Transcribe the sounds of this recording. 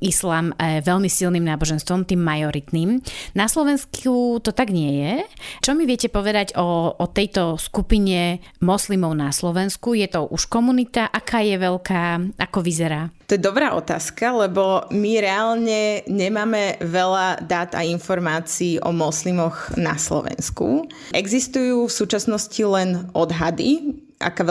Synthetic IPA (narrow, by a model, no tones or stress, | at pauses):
islaːmʋɛʎmisilniːmnaːbɔʒɛnst̪ʋɔmt̪iːmːajɔɾit̪niːmnaslɔʋɛnskut̪ɔt̪aɡɲɪɛjɛt͡ʃɔmiʋɪɛcɛpɔʋɛd̪aɟɔɔt̪ɛjt̪ɔskupiɲɛ | mɔslimɔʊnaslɔʋɛnskujɛt̪ɔʔuʃkɔmunit̪aʔakaːjɛʋɛʎkaːʔakɔʋizɛɾaːt̪ɔjɛd̪ɔbɾaːʔɔ̰t̪a̰ːskalɛbɔmiɾɛalɲɛɲɛmaːmɛʋɛlad̪aːt̪a̰infɔɾmaːt͡siːʔɔ̰mɔslimɔɣna̰slɔ̰ʋɛ̰nskṵ | ʔɛɡzist̪ujuːfsuːt͡ʃasnɔscilɛnɔd̪ɦad̪i | ʔa̰kaː